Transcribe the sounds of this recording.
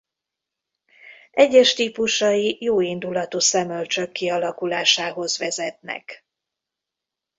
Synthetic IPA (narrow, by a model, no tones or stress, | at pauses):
ʔɛɟːɛʃt̪iːpuʃɒjijoːind̪ulɒt̪uːsɛmølt͡ʃø̞kːiɒlɒkulaːʃaːɦo̞zʋɛzɛt̪nɛ̰k